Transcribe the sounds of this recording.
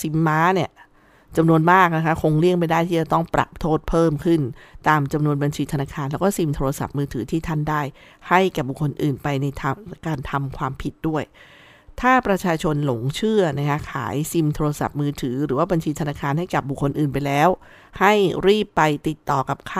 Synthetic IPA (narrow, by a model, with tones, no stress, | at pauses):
si˨˩˦mːaː˦˥ni˥˩ə | t͡ɕa˧mnu˧ənmaː˥˩k̚na˦˥kʰa˦˥kʰo˧ŋli˥˩əŋma˧jdaː˥˩jt̪ʰiː˥˩a˨˩t̪ɔ˥˩ŋpɾa̰˨˩p̚t̪ʰoː˥˩t̪̚pʰɤː˥˩mkʰɯ˥˩nt̪aː˧mt͡ɕa˧mnu˧ənba˧nt͡ɕʰiː˧t̪ʰa˧naː˧kʰaː˧nlɛː˦˥wkɔː˥˩si˧mt̪ʰoː˧a˧sa̰˨˩p̚mɯː˧t̪ʰɯː˩˦t̪ʰiː˥˩t̪ʰa˥˩ndaː˥˩j | ha˥˩jkaː˨˩bu˨˩kʰːo˧nʔɯː˨˩npa˧jna˧jt̪ʰa˧kaː˧nt̪ʰa˧mkʰwaː˧mpʰi˦˥t̪̚du˥˩əj | t̪ʰaː˥˩pɾa˧t͡ɕʰaː˧t͡ɕʰo˧nlo˨˩˦ŋt͡ɕʰɯ˥˩ɐna˦˥kʰa˦˥kʰa̰ː˩˦jsi˧mt̪ʰoː˧a˧sa̰˨˩p̚mɯː˧t̪ʰɯː˩˦ɾɯː˩˦waː˥˩ba˧nt͡ɕʰiː˧t̪ʰa˧naː˧kʰaː˧nha˥˩jka˨˩p̚bu˨˩kʰːo˧nʔɯː˨˩np̬a˧jlɛː˦˥w | ha˥˩jɾiː˥˩pːa˧jt̪i˨˩t̪ːɔː˨˩ka˨˩p̚kʰː